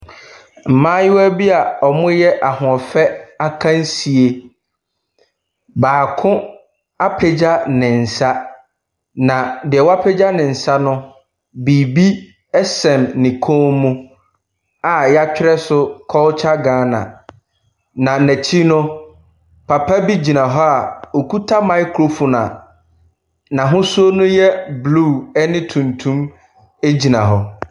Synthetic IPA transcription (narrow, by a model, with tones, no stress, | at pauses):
m̩˨mãː˦jɪ˦wæ˦bi˦a˨ɔ˨mʊ̃˦jɛ˦ʔa˨hʊ˨ɔ˨fɛ˦a˦kʰã˦n˦si˨e˨ | baː˨kʰʊ̃˦ | a˦pʰe˨d͡ʑa˦nɪ̃˨n̩˨sa˦ | nã˨dɪ˨ɛ˨wa˦pʰɛ˦d͡ʑa˦nɪ̃˨n̩˨sa˦nʊ̃˦ | bi˨bi˦ | ɛ˦sɛ̃˨mnɪ̃˨kʰõ˦mũ˦ | a˨jɛ˦a˦t͡ɕᶣɪ˦ɾɛ˦sʊ˦kʰɔ˦t͡ɕʰa˦ɡãː˨˦nã̰˨ | nã˨næ˨t͡ɕʰi˦nʊ̃˦ | pʰa˨pʰa˦bi˦d͡ʑi˨nã˨ɦɔ˦a˨o˨kʰu˦tʰa˦mã˨ɪ˦kʰɾo˦˨fu˨nã̰˨ | nã˨ɦʊ̃˦so˦nʊ̃˦jɛ˦bluː˦˨ɛ˦nɪ̃˦tʰũ˨ntʰũ˦m | e˦d͡ʑi˨nã˨ɦɔ˨